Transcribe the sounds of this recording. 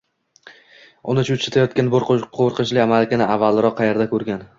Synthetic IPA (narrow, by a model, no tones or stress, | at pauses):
ʊ̰nɪt͡ʃʰʊt͡ʃat̪ʰajɒt̪̚kʲanboɾqʰoɾqʰɨt͡ʃlɪamalɪkʲɪnɪavːalˠɪɾɒqːʰɑjeɾd̪akʰɵɾɡʲan